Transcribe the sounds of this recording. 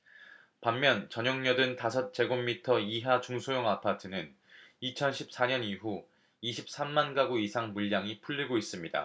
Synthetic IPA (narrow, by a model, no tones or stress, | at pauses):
pamːjʌnt͡ɕʌɲʌŋɲʌdɯntasʰʌt̚t͡ɕ͈e̞ɡomːitʰʌiɦat͡ɕuŋsʰojoŋapʰatʰɯnɯn | it͡ɕʰʌnɕʰi̥p̚s͈aɲʌniɦu | iɕʰip̚s͈amːanɡaɡoisʰaŋmuʎːaŋipʰuʎːiɡois͈ɯmɲida̰